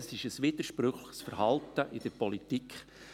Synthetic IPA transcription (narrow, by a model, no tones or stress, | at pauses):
sɪʃəsʋiːd̥̪əɾʃpɾʏχləχsfəɾhɑlt̪əʔɪd̥əɾpɔlitikʰχ